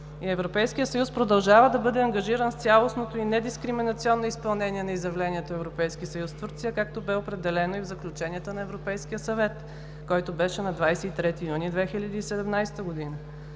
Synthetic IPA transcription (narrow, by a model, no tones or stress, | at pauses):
iɛvɾopɛjskijət̪sɐjuspɾod̪ɐlˠʒavəd̪ɐbɤd̪ɛɐŋɡɐʒiɾənst̪sʲjalˠosnot̪oinɛd̪iskɾiminɐt̪siɔnːoispɐlˠnɛniɛnɐizjɐvlɛnʲiɛt̪oɛvɾopɛjskisɐjust̪vuɾt̪sijəkak̚t̪obɛopɾɛd̪ɛlɛnoivzɐklʲut͡ʃɛniət̪ənɐɛvɾopɛjskiəsɐvɛt̪ | kɔjt̪obɛʃɛnɐd̪vajsɛit̪ɾɛt̪ijunid̪vɛxilʲəd̪iːsɛd̪ɛmnajst̪əɡod̪inə